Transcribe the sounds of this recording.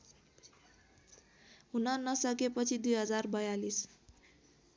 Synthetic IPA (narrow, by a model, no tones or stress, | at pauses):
ɦunʌnʌsʌkepʌt͡sʰid̪ujɦʌd͡zarbʌjalis